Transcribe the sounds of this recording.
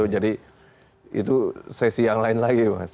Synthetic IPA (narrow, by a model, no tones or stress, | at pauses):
ʊd͡ʒadi | ḭt̪usɛsijaŋlaɪnlaɡibas